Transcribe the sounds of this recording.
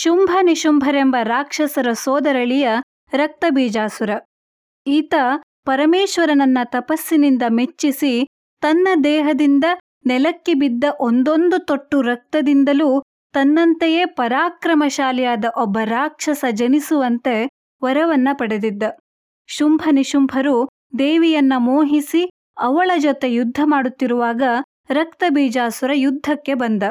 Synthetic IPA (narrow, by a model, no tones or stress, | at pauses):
ʃumbʱɐniʃumbʱɐɾembɐɾaːkʂɐsɐɾɐsɔːd̪ɐɾɐɭijɐ | ɾɐk̚t̪ɐbiːd͡ʒaːsuɾɐ | iːt̪ɐ | pɐɾɐmeːʃʋɐɾɐnɐnːɐt̪ɐpɐsːinind̪ɐmet͡ʃːisi | t̪ɐnːɐd̪ɛːɦɐd̪ind̪ɐ | nɛlɐkːibid̪ːɐʔond̪o̞nd̪ut̪oʈːuɾɐk̚t̪ɐd̪ind̪ɐluː | t̪ɐnːɐnt̪eje̞pɐɾaːkɾɐmɐʃaːlɛjaːd̪ɐʔɔbːɐɾaːkʂɐsɐd͡ʒɐnisuʋɐnt̪e̞ | ʋɐɾɐʋɐnːɐpɐɽe̞d̪id̪ːɐ | ʃumbʱɐniʃumbʱɐɾu | d̪eːʋijɐnːɐmoːɦisi | ɐʋɐɭɐd͡ʒɔt̪e̞jud̪ʱːɐmaːɽut̪ːiɾuʋaːɡɐ | ɾɐk̚t̪ɐbiːd͡ʒaːsʋɐɾɐjud̪ʱːɐkːe̞bɐnd̪ɐ